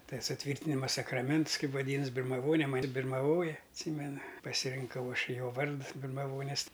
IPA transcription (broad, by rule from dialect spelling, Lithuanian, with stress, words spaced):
ˈtɐɪ sʊˈtʲʋʲiːrʲtʲɪnʲɪmɐ sɐkrɐˈmʲɛnts ˈkɐɪp ʋɐˈdʲiːnɐs bʲɪrmɐˈʋoːnʲɛ ˈmɑːnʲɪ bʲɪrmɐˈʋoːjɛ ɐtʲˈsʲiːmʲɛnɐ pɐsʲɪrʲɪŋˈkɐʊ ˈɐʃ ˈjoː ˈʋɐrts bʲɪrmɐˈʋoːnʲɪs